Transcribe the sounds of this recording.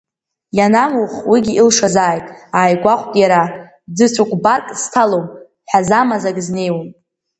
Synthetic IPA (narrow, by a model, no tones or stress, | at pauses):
janamuχwiɡʲiilʂazaːjtʼaːjɡʷaχʷʼkʼjaɾa | d͡zɨt͡sʷʰukʷʼbarkʼstʰalowm | ħᶣazamazaɡʼzne̞jwan